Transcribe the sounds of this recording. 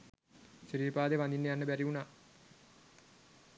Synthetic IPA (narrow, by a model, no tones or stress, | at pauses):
ʃiɾiːɾpaːd̪eʋand̪inːejanːəbæɾiunaː